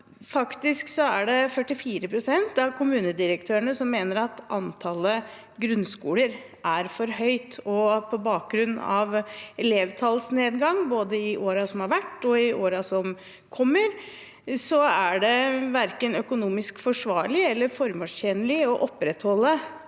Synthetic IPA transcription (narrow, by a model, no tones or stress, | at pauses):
fɑkt̪ɪsksɔæɖɛfœʈːɪfiːɾəpʰɾʊsɛnt̪ɑʋkʰʊmʉːnəd̪ɪɾəkt̪ʰøːəɳəsɔmːeːnəɾɑt̪ɑnt̪ʰɑːlə | ɡɾʉnskuːləɾ | ʔæɾfɔɾɦœʏt̪ɔpʰɔbɑːk̚ɡɾʉnːɑʋɛleːʋt̪ʰɑlsneːd̪ɡɑŋboːd̪əɪʔoːɾɑsɔmhɑɾʋæʈːɔɪʔoːɾɑsɔm | kʰɔmːəɾ | sɔæɖɛʋæɾkənœkʊnuːmɪskfɔʂʋɑːɭɪɛlːəɾfɔɾmoːʂçɛːnəlɪɔʔɔpːɾɛt̪hɔlːə